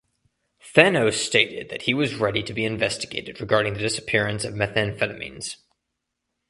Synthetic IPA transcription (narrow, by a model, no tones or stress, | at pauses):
fɛnoʊsteɪɾɪd̪̚ðɨt̚hiwʌzɹɛɾiɾɨbiɨ̃ɱvɛstɨɡeɪɾɨd̚ɹɨɡɑɹɾɪ̃ŋðɨdɪsɨ̥pʰɪɹɨ̃nsʌvmɛθɨ̃nfɛlˠɨmḭ̃nz̥